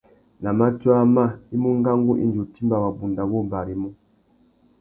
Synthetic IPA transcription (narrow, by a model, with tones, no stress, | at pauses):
na˨ma˦twa˦ma˦˨i˦mu˦ŋɡa˦ŋɡu˦ʔḭ˦nd͡ʒu˨ti˦mba˨wa˨bu˨nda˨wɔ˦mba˨ɾi˨mu˦